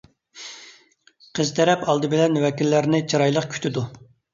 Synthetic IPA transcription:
qʰəzt̪ʰɛɾɛpɑlˠd̪ɨbɪlɛnwɛkʲilːæɾnɪt͡ʃʰiɾɑjlˠəqkʲʰy̥t̪ʰɪd̪u

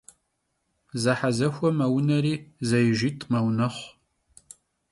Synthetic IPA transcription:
zɐħazɐxʷɔmɐwnɐɾiːzɐjʒitʰʼmɐwnɐχʷ

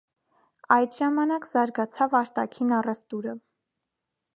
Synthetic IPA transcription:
ɑjd̪ʒɑmɑnɑkzɑɾɡɑt͡sʰɑvɑɾt̪ɑkʰinɑrɛvt̪uɾə

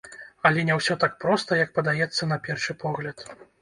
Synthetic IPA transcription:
ɐlʲɛnʲɛwsʲɔt̪ak̚pɾɔst̪ɐjɐkpɐd̪ajɛt̪sːɐnɐpʲɛrʂɨpʰɔɣlʲɐt̪

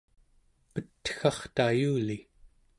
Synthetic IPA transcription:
pət̪ːxɑχt̪ajuːli

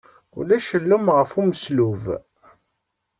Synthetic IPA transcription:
ṵlæʃəlːumʁəfuməsluv

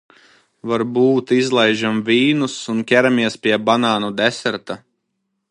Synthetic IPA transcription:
vaɾbuːt̪izlˠɛjʒamvʲiːnusunkʲæɾamiɛspʲiɛbanaːnud̪ɛsɛɾt̪a

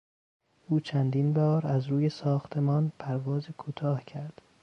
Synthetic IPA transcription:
ʔuːt͡ʃʰænd̪iːnbɒːɾæzɾuːjesɒːxt̪ʰe̞mɒːnpʰæɾvɒːzekʰuːt̪ʰɒːhcʰæɾd̪̥

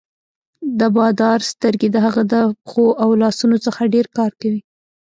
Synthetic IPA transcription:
d̪əbɑd̪ɑɾst̪əɾɡed̪əɦaɣad̪əxoʔawlɑsunot͡səxaɖeɾkɑɾkawi

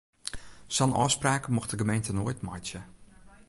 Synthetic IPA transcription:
sɔnʔɔ̰ːspraːkəmɔxdəɡəmejntənoːjtmɔt͡ʃjə

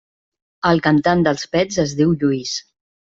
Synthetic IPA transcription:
əlˠkənt̪and̪əlˠspɛzəzðiwʎuis

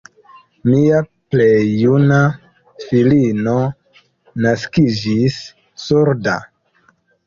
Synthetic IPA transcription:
miapleːuna | filino | naskid͡ʒisː | uɾda̰

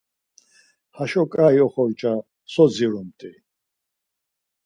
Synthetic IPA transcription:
haʃɔkʼajɔχɔɾt͡ʃʼa | sɔd͡ziɾɔmt̪ʼi

